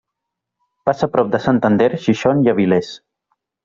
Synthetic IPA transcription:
pasapɾɔp̚d̪əsənt̪ənd̪ɛɾʃiʃoniaβilɛs

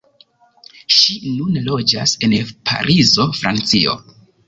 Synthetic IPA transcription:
ʃinunlo̞d͡ʒa̰se̞npʰa̰ɾʔizo̞fɾa̰nt͡sio̞̰

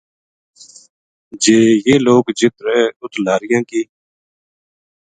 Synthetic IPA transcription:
d͡ʒeːjeːloːkd͡ʒɪt̪ɾɛ̃ːʊt̪laːɾɪjãːkiː

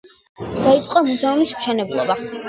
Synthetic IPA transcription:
d̪̥ait̪sʼqʼɔmuzɛumismʃɛnɛblˠɔ̰ba

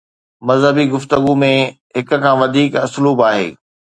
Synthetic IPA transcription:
mɐzɦəbiɡʊft̪əɡumẽ | ɦɪk̆kʰãːʋɐd̪ʱiːkɐsluːbaːɦḛː

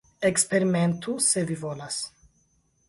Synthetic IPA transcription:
ekspe̞ɾime̞ntusevivolas

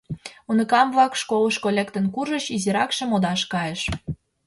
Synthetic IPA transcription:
unə̆kɑmβlɑkʃkoləʃkolʲekt̪ə̆nkuʒə̆ɕiziɾɑkʃĕmod̪ɑʃkɑjeʃ

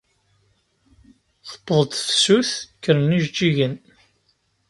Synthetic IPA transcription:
θə̥pːðˤəd̪fsuθkːəɾniʒd͡ʒiʝən

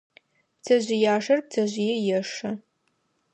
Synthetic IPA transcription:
pt͡sʰɐʑɪjaːʂɐrp̚t͡sʰɐʑʷɪjɛjɛʂɐ

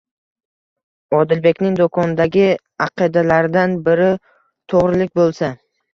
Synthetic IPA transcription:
ɒd̪ɪlbe̞kʲnɪŋd̪okʰɒnɪd̪aɡʲɪ | ɑqʰɨd̪alaɾɪd̪anbɪɾɪ | t̪ʰoʁɾɪlɪkʲbolˠsa

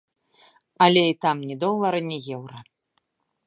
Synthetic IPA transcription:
ɐlʲɛit̪amnʲɛd̪ɔlˠːɐɾɨnʲɛjɛwɾɐ

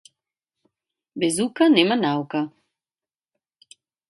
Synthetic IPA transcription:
bɛzukanɛmanawka

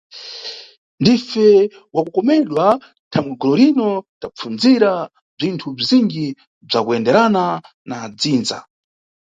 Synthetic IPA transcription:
ndifɛ | wakukɔmɛɗwa | tʰamɛɡɔlɔɾinɔtap͡fund͡ziɾa | b͡ʐintʰub͡ʐiziŋɡi | b͡ʐakuɛndɛɾana | nad͡ziːnza̰

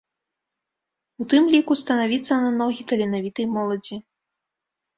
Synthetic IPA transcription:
ut̪ɨmlʲikust̪ɐnavʲit̪sɐnanɔɣʲit̪ɐlʲinavʲit̪ɨjmɔlˠɐd͡zʲi

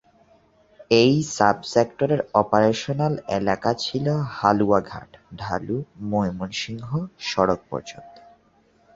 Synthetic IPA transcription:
ejsabsekʈoɾeɾɔpaɾeʃonalḛlakat͡ɕʰilohaluaɡʱa̰ʈɖʱalumojmonʃiŋɦoʃɔɾok̚pɔ̰ɾd͡ʑo̰nt̪o̥

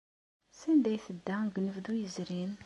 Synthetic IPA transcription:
sind̪æjθəd̪ːæɡnəvd̪ujəzɾin

